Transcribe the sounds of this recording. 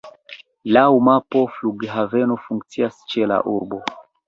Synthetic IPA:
lawmapo̞fluɡɦave̞no̞fuŋk̚t͡siast͡ʃe̞la̰ʔuɾbo̞

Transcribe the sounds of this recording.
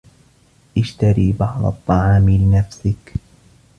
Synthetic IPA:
ʔɪʃt̪aɾiːbɑʕd̪ˤɑ̰t̪ˤːɑʕɑːmɪlɪnafsɪk

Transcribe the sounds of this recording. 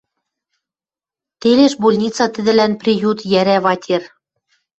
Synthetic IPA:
t̪eleʃbolʲnʲit͡sɑt̪ɘ̆d̪ɘ̆lænprʲijut̪jæɾæβɑtʲer

